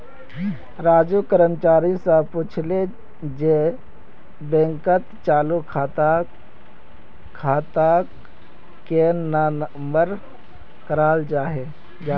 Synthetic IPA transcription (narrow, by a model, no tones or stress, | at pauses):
ɾaːd͡ʒukəɾəmt͡ʃaːɾisapuːt͡ʃʰle | d͡ʒe | bẽŋkət̪t͡ʃaːlukʰːt̪ | kʰaːt̪a | kenan | mbəɾ | kəɾaːld͡ʒaːɦe | d͡ʒa